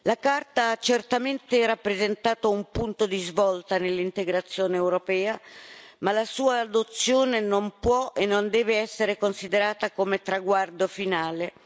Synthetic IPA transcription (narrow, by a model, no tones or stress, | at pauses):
lakart̪aat͡ʃːert̪ament̪erapːɾezent̪aːt̪oumpunt̪od̪izvɔlt̪anelːint̪eɡɾat̪sːjoːneːwɾopɛːamalasuːaːd̪ot̪sːjoːnenompwɔenːond̪ɛːveɛsːeɾekonsid̪eɾaːt̪akomet̪ɾaɡward̪ofinaːle